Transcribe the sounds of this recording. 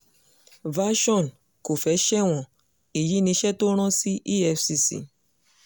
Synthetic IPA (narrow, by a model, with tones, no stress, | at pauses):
va˦ʃɔ̃˦˨n | ko˨fɛ˨˦ʃɛ˦w̃ɔ̃˨ | i˨ji˨˦nĩ˧˦ʃɛ˦to˦ɾ̃ɔ̃˦si˦ʔi˦ɛ˧fsi˧sḭ˨